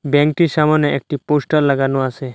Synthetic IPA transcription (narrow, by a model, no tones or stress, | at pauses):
bɛŋk̚ʈisamaneek̚ʈiposʈalːaɡanuase